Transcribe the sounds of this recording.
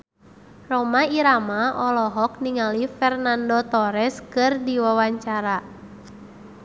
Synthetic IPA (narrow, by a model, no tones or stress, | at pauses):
rɔmaiɾamaʔɔlɔɦɔk̚niŋalifɛrnandɔt̪ɔɾɛskɨrdiwawaɲt͡ʃaɾa